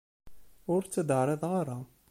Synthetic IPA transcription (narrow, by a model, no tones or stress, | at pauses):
ʊɾt͡sːæd̪əʕɾˤɪðˤʁaɾa